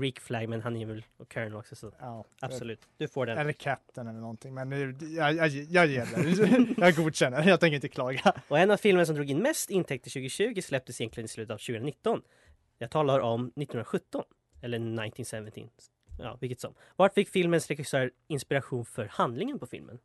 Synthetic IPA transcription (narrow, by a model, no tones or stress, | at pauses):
ɾiːkflæɡmɛnɦanɛjvɛlɔkʰœɹnlɔksɛsɔabsɔlʉ̟ːt̪d̪̥ɵfoːɖɛɛlːəɾkʰæp̚t̪ənɛlːəɳɔnt̪ʰɪŋmɛnɑjɑjɑjɪ | jɑɡuːd̪ɕɛnːəɾjɑt̪ʰɛŋkəɾɪnt̪əkʰlɑːɡaɔɛnːavfɪlmənsɔmd̪ɾuːɡɪnːmɛst̪ɪnt̪ʰɛk̚t̪ʰːɪɕʉ̟ːɡɪɕʉ̟ːɡɪslɛp̚t̪əsɪjɛnklɪɡənɪslʉ̟ːt̪ət̪avɕʉ̟ɡənanɪt̪ːɔn | jaɡt̪ʰɑːlaʔɔmnɪt̪ːnhənɾaɧɵt̪ːɔn | ɛlːənaɪnt̪ɪnsɛvənt̪ɪ̰ | jɑ̰ːvɪkːət̪sɔ̰m | vaʈfɪkːfɪlmənsɾɛxɪsœːɾ | ɪnspɪɾaɧuːnfœɾhand̪lɪŋənpʰɔfɪ̰lmʔə̰n